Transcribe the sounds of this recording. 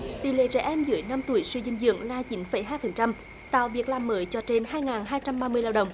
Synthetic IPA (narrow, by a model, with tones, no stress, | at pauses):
t̪ḭ˧˨lḛ˧˨t͡ɕɛ̰˧˩˥ʔɛ˧mzɨ̰˧˦əjna˧mt̪u˧˩əjswi˧zï˧ŋ̟zɨ̰˧˨əŋlaː˧˩t͡ɕi˨˦nfə˨˩˦jɦaː˧jfə˨˩nt͡ɕa˧m | t̪a̰ː˧˨wvi˨˩ək̚laː˨˩mːəː˨˦jt͡ɕɔ˧t͡ɕe˧nhaː˧jŋaː˨˩nɦaː˧jt͡ɕa˧mɓaː˧mɨ˧əjlaː˧wɗə˨˩wŋ͡m